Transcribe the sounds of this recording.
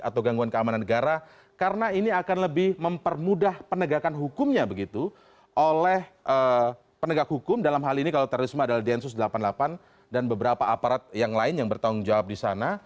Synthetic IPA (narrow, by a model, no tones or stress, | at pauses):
at̪awɡaŋɡuankəamananːəɡaɾa | kaɾənainiakanləbɪhməmpərmudahpənəɡakanɦukʊmɲabəɡit̪u | ʔolɛhʔə | pənəɡak̚hukʊmdalamɦalinikalawt̪ɛɾoɾismaːdalahdɛnsʊsdəlapandlapan | danbəbəɾapaapaɾat̪̚jaŋlaɪnjaŋbərt̪aʊŋd͡ʒawap̚disa̰na